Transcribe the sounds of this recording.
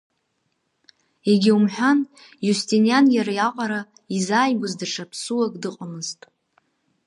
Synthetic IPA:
eɡʲiumħʷᶣan | justʰʼinijanjaɾajaqʼaɾa | izaːjɡʷʊzdaʈ͡ʂʰapʰsuwakʼdɨqʼamɨztʼ

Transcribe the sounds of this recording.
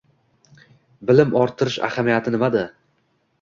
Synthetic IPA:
bɪlɪmʔɒɾt̪ʰːɪɾɪʃa̰hamijat̪ʰɪnɪmad̪ɪ

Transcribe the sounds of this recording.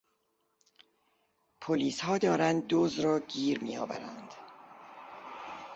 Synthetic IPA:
pʰoliːshɒːd̪ɒːɾænd̪̚ːozɾɒːɟiːɾmijɒ̰ːvæ̰ɾæ̰nd̪̥

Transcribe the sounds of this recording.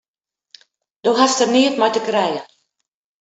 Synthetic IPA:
d̥oːɦastərniətmɔjtəkrɛjə

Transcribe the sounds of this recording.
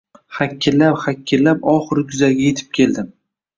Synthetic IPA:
hakʲʰːɪlːapχakʲʰːɪlːapɒχɨɾkʰʊzaɡʲaje̞t̪ʰɪ̥p̚kʲʰe̞ld̪ɪm

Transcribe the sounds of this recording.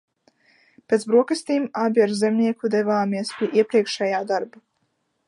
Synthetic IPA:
pʲet̪sbɾuɔkɨst̪iːmabʲiaɾzemnʲiɛkud̪ɛvaːmiɛspʲiɛʔiɛpɾiɛkʃɛjaːd̪aɾba

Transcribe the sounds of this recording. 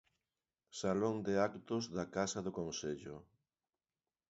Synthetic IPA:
saloŋd̪ɪakt̪ʊzðakasɐðʊkonseʎʊ

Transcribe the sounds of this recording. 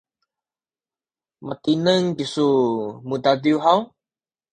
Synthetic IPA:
mət̪inəŋkisumud̪adiuɦaw

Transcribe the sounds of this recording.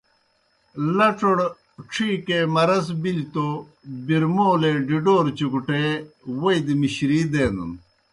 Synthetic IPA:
lɐʈ͡ʂoɽ | ʈ͡ʂʰiːkemɐɾɐsbilt̪o | biɾmoːleɖiɖoːɾt͡ɕukuʈewɐjd̪imiɕɾid̪eːnṵn

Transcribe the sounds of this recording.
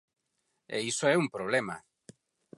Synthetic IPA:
ḛisoɛumpɾoβlema̰

